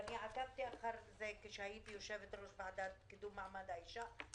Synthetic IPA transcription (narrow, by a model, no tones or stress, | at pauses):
aniʕat̪ab̚t̪iʔaxaɾˤzajkɪʃajiːbjoʃɛvet̪ɾusbaʕad̪at̪̚kɪd̪uːmaʕmad̪aiʃa